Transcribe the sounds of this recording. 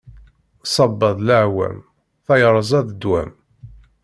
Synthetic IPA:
sˤɑbːəðˤləʕwæ̰m | θæjɾˤəzˤæðəd̪wæ̰m

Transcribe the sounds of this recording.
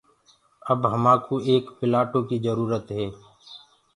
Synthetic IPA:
ɐbɦɐmaːkʰuʔeːkpɪlaːʈoːkizəɾuːɾət̪ɦɛː

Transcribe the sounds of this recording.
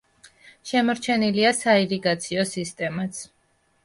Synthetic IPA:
ʃɛmɔɾt͡ʃʰɛniliasaiɾiɡat̪sʰiɔsist̪ʼɛmat̪sʰ

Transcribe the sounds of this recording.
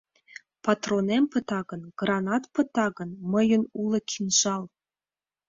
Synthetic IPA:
pɑt̪ronempə̆t̪ɑɡə̆nɡ̥rɑnɑt̪pɤ̆t̪ɑɡə̆nmə̆jə̆nulɤ̆kʲʰinʒɑlˠ

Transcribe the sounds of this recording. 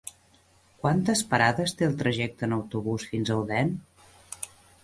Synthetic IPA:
kwant̪əspəɾaðəst̪eəlˠt̪ɾəʒɛk̚t̪ənəwt̪uβ̞usfinzəwðɛn

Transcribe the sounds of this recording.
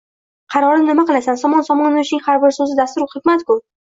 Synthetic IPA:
qʰɑɾɒɾɪnɪmaqɨlˠasansɒmɒnsɒmɒnaʊʃnɪŋhaɾbɪɾsɵzɪd̪ast̪ʊɾχɪkʲmat̪kʰʊ

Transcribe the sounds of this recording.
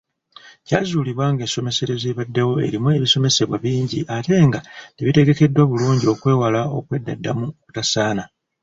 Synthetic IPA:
cazuːliβwaːŋɡe̞ːnso̞me̞se̞ɾe̞zeβadːewo̞e̞̰ɾimue̞βiso̞me̞se̞βwaβiːɲɟiʔate̞ːŋɡate̞βite̞ɡe̞ke̞dːwaβuluːɲɟio̞kwe̞ːwalao̞kwe̞dːadːamuku̥tasaːna

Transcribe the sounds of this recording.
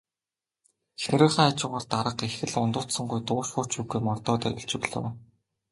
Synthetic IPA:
xnĕɾɘ̆χaːat͡ɕʊ̆ʁə̆ɮt̪aɾə̆qexɘ̆ɮʊnt̪ʊːt̪sɞ̆ŋɢujt̪ʊːʃχʊrʰt͡ɕuːɡujmɔrt̪ɔːt̪œ̰ɾʲɪ̆ɬt͡ɕɪ̆ɣɮo̰ːw

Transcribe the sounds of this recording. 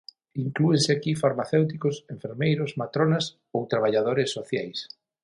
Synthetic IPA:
iŋkluenseakifaɾmaθewt̪̬ikosẽɱfeɾmejɾʊsmat̪ɾonas | owt̪ɾaβ̞aʎað̞oɾesːoθjajs

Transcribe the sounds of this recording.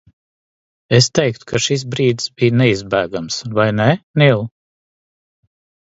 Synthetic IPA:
est̪ɛjk̚t̪u̥kʰaʃis̬bɾiːd̪sbijnɛizbæːɡamsvajnɛnilˠ

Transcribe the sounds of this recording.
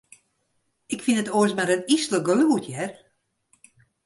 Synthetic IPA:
ɪkfinətoəsmaɾənisləɡolutʰjɛr

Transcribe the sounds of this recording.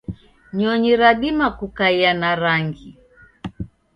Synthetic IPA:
ɲɔɲiɾaɗimakukaianaɾaŋɡi

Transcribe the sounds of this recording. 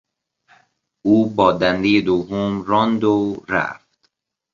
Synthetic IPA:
uːbɒːd̪ænd̪ejed̪ovːomɾɒnd̪oɾæ̰ft̪

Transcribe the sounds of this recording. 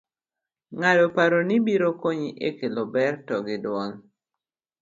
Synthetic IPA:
ŋadopaɾonibiɾokoɲiʔekelɔbɛrtɔɡɪdwɔl

